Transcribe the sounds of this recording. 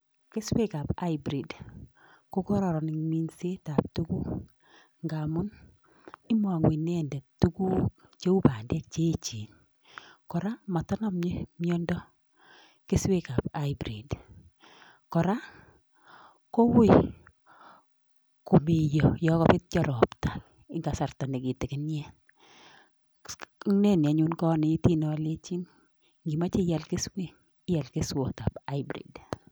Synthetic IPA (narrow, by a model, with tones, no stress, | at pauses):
kɪ˦swe˦ka˨pa˦jbɾi˨d | ko˦kɔ˦ɾɔ˨ɾɔ˨nɪ˨ŋmi˦nse˦ta˨p̚tuku˦ | ŋɡa˨mʊ˦n | ɪ˦mɔ˨ŋwi˨nɛ˦ndɛ˨tu˦ɡu˦t͡ʃe˦u˦pa˨ndɛ˦k̚t͡ʃe˦t͡ʃi˨n | kɔ˨ɾa˦ma˨tɔ˦nɔ˦mɲ˦mjɔ˦ndɔ˦ | kɪ˦swe˦ka˨pa˦jbɾḭ˨d | kɔ˨ɾa˦ | kɔ˦wɪ˨ | ko˨mi˨jo˨jɔ˦kɔ˨pɪ˦t̚d͡ʒɔ˦ɾɔ˨pta˨l | ɪ˦ŋɡa˨sa˨ɾta˨nɪ˨ɡɪ˨tɪ˨kɪ˦njɛ˦ | ne˦nɪ˨a˨ɲu˦nkɔ˦nɪ˨i˦ti˦nɔ˨le˦t͡ʃi˦n | ŋɡi˨ma˦t͡ʃɪ˦ja˨lkɪ˦swe˦ | ja˨lke˦swɔ˨ta˨pa˦jbɾḭ˨d